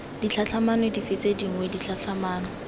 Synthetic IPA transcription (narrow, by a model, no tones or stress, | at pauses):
d̥it͡ɬʰaɬʰamanwedifet͡sʼediŋ̩wedit͡ɬʰaɬʰamaːnɔ